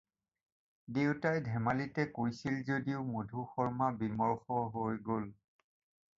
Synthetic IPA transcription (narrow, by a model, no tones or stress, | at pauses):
dewtajdʱɛmalitɛkojsilzodiʊmodʱuxɔɹmabimɔɹxɔɦojɡol